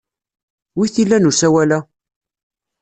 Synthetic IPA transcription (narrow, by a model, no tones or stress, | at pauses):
wiθilːænusæwælæ